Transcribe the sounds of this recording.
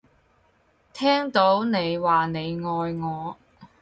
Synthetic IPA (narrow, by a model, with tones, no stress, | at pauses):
t̪ʰɛː˥ŋt̪o˨˥wne˨˧jwaː˨˩ne˨˧jŋɔː˨˧jŋɔː˨˧